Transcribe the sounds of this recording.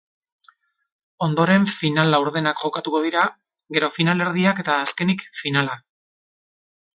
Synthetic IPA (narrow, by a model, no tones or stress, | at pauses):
o̞nd̪o̞ɾe̞ɱfinalawɾðe̞nakʝo̞kat̪uko̞ðiɾa | ɣe̞ɾo̞finale̞ɾð̞iake̞t̪aːske̞nikfinala